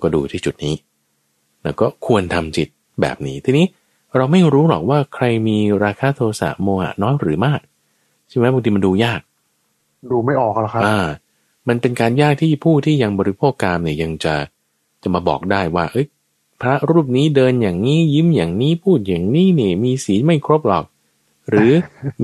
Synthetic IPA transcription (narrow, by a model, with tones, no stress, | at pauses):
kɔː˥˩dṵː˧t̪ʰiː˥˩t͡ɕu˨˩t̪̚niː˦˥ | lɛ˦˥wkɔː˥˩kʰu˧ənt̪ʰa˧mt͡ɕi˨˩t̪̚ | bɛ̰ː˨˩p̚niː˦˥t̪ʰiː˧niː˦˥ | ɾa˧wma˥˩jɾuː˦˥lɔ̰˨˩k̚waː˥˩kʰɾa˧jmiː˧ɾaː˧kʰaː˦˧˥t̪ʰoː˧sa̰˨˩p̚moː˧ha̰˨˩nɔː˦˥jɾɯː˩˦maː˥˩k̚ | t͡ɕʰi˥˩ma˦˥˩ba˧ŋt̪ʰiː˧ma˧nduː˧jaː˥˩k̚ | duː˧ma˥˩jʔɔː˨˩k̚la˦˥kʰa˦˥ʔaː˧ | ma˧npe˧nkaː˧njaː˥˩k̚t̪ʰiː˥˩pʰuː˥˩t̪ʰiː˥˩ja˧ŋbɔː˧ɾi˦˥pʰoː˥˩kːaː˧mniː˧˥˩ja˧ŋt͡ɕa˨˩ | t͡ɕa˨˩maː˧bɔ̰ː˨˩k̚daː˥˩jwaː˥˩ʔɤ˦˥j | pʰɾa˦˥ɾuː˥˩p̚niː˦˥dɤː˧njaː˨˩ŋniː˦˥ji˦˥mjaː˨˩ŋniː˦˥pʰuː˥˩t̪̚jaː˨˩ŋniː˦˥ni˧˥˩miː˧siː˩˦ma˥˩jkʰɾo˦˥p̚lɔː˨˩k̚ | ɾɯː˨˩˦